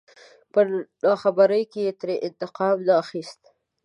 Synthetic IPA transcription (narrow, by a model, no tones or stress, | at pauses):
pəɖɑxabaɾəjkejet̪ɾeʔɪnt̪ɪqɑmnɑxist̪